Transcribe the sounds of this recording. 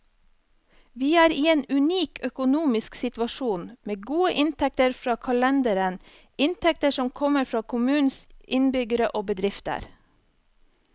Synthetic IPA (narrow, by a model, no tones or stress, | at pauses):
ʋiːæːɾiːeːnʉniːkʰœkʊnuːmɪsksɪt̪ʋɑʃuːnmeːɡuːəʔɪnt̪ʰɛk̚t̪əɾfɾɑːkʰɑlɛnd̪əɾən | ɪnt̪ʰɛk̚t̪əʃɔmkʰɔməɾfɾɑːkʰʊmʉːnsʔɪnbʏɡəɾəʔoːbəd̪ɾɪft̪ə̰ɾ